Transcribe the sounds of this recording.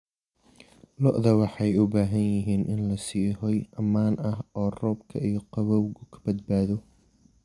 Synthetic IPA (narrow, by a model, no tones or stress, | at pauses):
lɔʔðɐwɑħɑjʊbaːɦɐnjɪɦiːnʔɪnlɐsiːɦɔjʔɐmaːnɐɦɔːrɔːbkʰɐijɞqɑβɔwɡʊkʰɐ̥bɐd̪baːðɔ